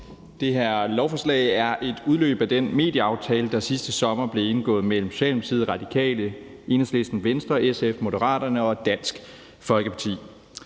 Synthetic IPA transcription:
d̥e̝ɦæɐ̰lɒʊfɒ̽slɛ̰ɪæɐʔe̝d̥uð̞ˠlø̰ːb̥æd̥enme̝̰ːd̥jəɑ̈ʊt͡sʰɛːləd̥ɑ̈sisd̥əsɒ̽mɐb̥le̝e̝nɡ̥ɔ̰̽ːð̞̩ˠmel̰m̩sɕɛ̰ːlm̩sʰið̞ˠʁɑ̈d̥ikʰɛ̰ːlə | e̝nəsle̝sd̥n̩ʋensd̥ʁɐʔesefmo̝dəʁɑ̰̈ːd̥ɐnəɒ̽d̥æn̰sɡ̥ | fɒ̽lɡ̥əpʰɑ̈t͡sʰḭː

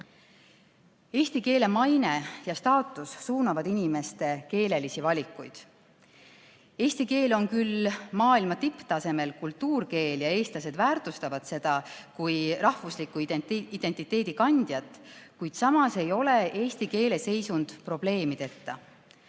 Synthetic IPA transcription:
e̞ːst̪ike̞ːle̞mɑjne̞jɑst̪ɑːt̪ːˑusːuːnɑvɑd̪inʲime̞st̪e̞ke̞ːle̞lisivɑlʲikˑːujd̪̥ | e̞ːst̪ike̞ːlo̞nkylmɑːilmɑt̪ipt̪ɑse̞me̞lkult̪ːuːrke̞ːljɑe̞ːst̪lɑse̞d̪væːrt̪ˑust̪ɑvɑd̪̥se̞d̪̥ɑkujrɑhvuslikːˑuid̪̥e̞nʲt̪ːˑit̪ːˑe̞ːd̪̥ikɑnʲd̪̥jɑt̪ːˑkujd̪̥sɑmɑse̞jo̞le̞ʔe̞ːst̪ike̞ːle̞se̞jsund̪̥pro̞b̥le̞ːmit̪e̞t̪ːɑ

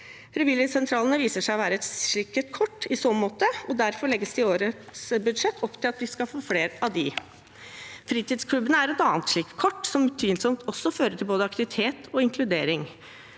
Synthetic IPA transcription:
fɾɛʋɪləsɛnt̪ʰɾɑːlənəʋiːsəʂæɪɔʋæːɾəɛt̪ʃɭɪkːət̪kʰɔʈːɪsɔmmoːt̪əɔd̪æɾfɔɭɛɡːəsd̪ɪoːɾət̪sbʉd̪ʂɛt̪ːʰɔpːt̪ʰɪlɑt̪ʋɪskɑfoːfleːɾɑʋd̪ɪ | fɾiːt̪ɪːd̪skʰlʉbːənəæɾɛt̪ɑːnt̪ʂɭiːkːkʰɔʈːsɔmt̪ʰyːnsɔmt̪ʰɔsːɔføːɾəʈ̪ʰɪlboːd̪əɑkt̪ɪʋɪt̪ʰeːt̪ʰɔɪŋkʰlʉd̪eːɾɪŋ

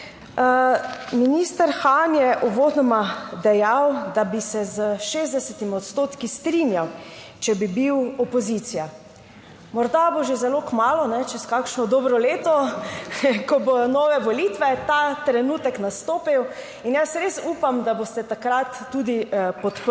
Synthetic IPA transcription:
minist̪əɾxanjɛʔuʋoːd̪nɔmad̪ɛjawd̪abisɛzəʃeːzd̪ɛsɛt̪imiɔt̪st̪oːt̪kist̪ɾinjaw | t͡ʃɛbibiwɔpɔzit̪sija | mɔɾd̪aboʒezɛlokmaːlɔnɛt͡ʃɛskakʃnɔd̪ɔːbɾɔleːt̪ɔ | kɔbonɔʋɛʋɔlit̪ʋɛt̪at̪ɾɛnuːt̪ɛknast̪oːpiw | injasɾesuːpamd̪abost̪ɛt̪akɾat̪ːuːd̪ipɔt̪p

